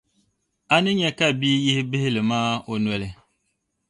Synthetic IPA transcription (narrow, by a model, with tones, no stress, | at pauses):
a˦nɨ˦ɲɛ˦ka˦biː˦jɪ˦hɪ˦bɪ˦hɪ˦lɨ˨maː˦o˨nɛ˨lɪ˨